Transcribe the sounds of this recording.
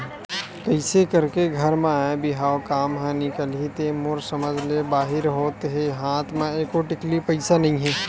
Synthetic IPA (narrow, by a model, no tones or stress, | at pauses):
kɐɪsekɐɾkeɡʱɐɾmẽaebɪɦaːokaːmɦɛ̃nɪkəlɦit̪emʊɾsɐməd͡ʒʱlebaːɦɪɾɦoːt̪ɦeɦaːt̪ʰmẽeːkoʈɪklipɐɪsanɐɦĩɦɛ̃ː